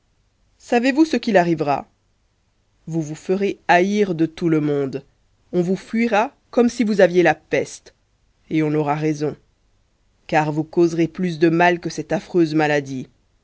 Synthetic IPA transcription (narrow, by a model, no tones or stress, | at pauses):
savevusəkʲilaʁivʁa̰ | vuvufəʁeaiʁd̪ət̪uləmɔ̃d̪ | ɔ̃vufɥiʁa | kɔmsivuzavjelapɛst̪ | eɔ̃nɔʁaʁezɔ̃ | kaʁvukozʁeplys̬d̪əmalkəsɛt̪afχøzmalad̪i